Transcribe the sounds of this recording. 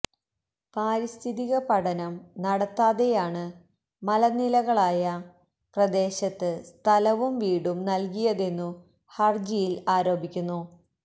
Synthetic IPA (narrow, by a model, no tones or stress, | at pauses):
paːɾist̪ʰiðiɣɐpɐɽɐnɐmnɐɽɐt̪ːaːðe̞jaːɳɨ | mɐlɐnilɐɣɐɭaːjɐ | prɐd̪e̞ːɕɐt̪ːɨst̪ʰɐlɐʋumʋiːɽumnɐlkijɐðe̞nːu | hɐrd͡ʑijilaːɾo̞ːbʱikʲːunːu